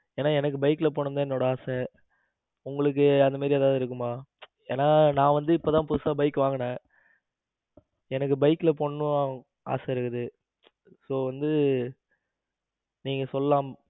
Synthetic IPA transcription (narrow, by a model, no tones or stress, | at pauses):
eːnːaːɛnɐk̬ːɯbɐɪkːɯlɐp̬oːɳːɯnd̪ãːɪnːoːɽɐaːsɛ | ʊŋɡɐɭɯk̬ːɯɐnd̪ɐmaːdɾieːðaːʋðɯɪɾɯk̬ːɯmaː | eːnaːnãːʋɐnd̪ɯɪpːoːt̪ãːpʊðɯsaːbɐɪkːɯʋaːŋɡɐnẽː | ɛnɐk̬ːɯbɐɪkːɯlɐpoɔɳːɯ̃ | a̰ːsɐɪɾɯkːɐðɯ | soːʋɐnd̪ɯ | niːŋɡɐsɔlːɐlaːm